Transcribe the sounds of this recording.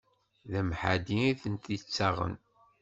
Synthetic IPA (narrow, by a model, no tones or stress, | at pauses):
ðæmħad̪iiθənt̪it͡sːaʁə̰n